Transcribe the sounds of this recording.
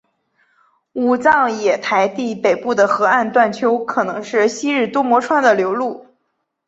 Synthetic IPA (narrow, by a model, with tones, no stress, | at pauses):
u˨˩t͡sɑ˥˩ŋjɛ˨˩t̪ʰa˧˥ɪt̪i˥˩pe˨˩ɪpu˥˩d̪ə˩xɤ˧˥a˥˧nt̪wa˥˩nt͡ɕʰjo˥ʊkʰɤ˨˩nɤ˧˥ŋʂɻ̩˥˩ɕi˥ɻ̩˥˩t̪wɔ˥mwɔ˧˥ʈ͡ʂʰwa˥˩nd̪ə˨ljo˧˥ʊlu˥˩